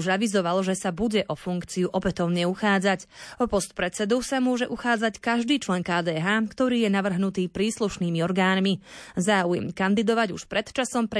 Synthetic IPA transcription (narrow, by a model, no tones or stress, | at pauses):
uʒaʋizɔʋalʒɛsabuɟɛʔɔfuŋkt͡siuʔɔpɛt̪ɔʊɲɛuxaːd͡zacɔpɔst̪̚pɾɛt͡sɛd̪usamʊɔʒɛʔuxaːd͡zackaʒd̪iːt͡ʃlɛŋkaːd̪ɛːɦaːkt̪ɔɾiːjɛnaʋr̩ɦnut̪iːpɾiːsluʃniːmiɔɾɡaːnmizaːujɛ̰mkand̪id̪ɔʋaɟṵʃpɾɛt̪t͡ʃasɔmp